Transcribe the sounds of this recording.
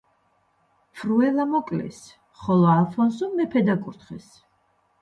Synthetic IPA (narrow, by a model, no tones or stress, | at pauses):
pʰɾuɛlamɔkʼlɛ̰s | χɔlɔalˠfʰɔnsɔmɛpʰɛd̪akʼuɾt̪χɛs